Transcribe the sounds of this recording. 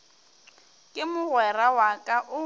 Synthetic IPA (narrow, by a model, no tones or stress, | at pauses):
kʼɪmʊɣwɛrawakʼaʔʊ